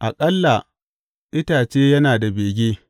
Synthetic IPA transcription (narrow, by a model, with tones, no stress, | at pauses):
ʔa˨kʼɐ˦lːa˨ | ʔɪ˦taː˨t͡ʃeː˦jɐ˦naː˨da˨beː˨ɡʲeː˦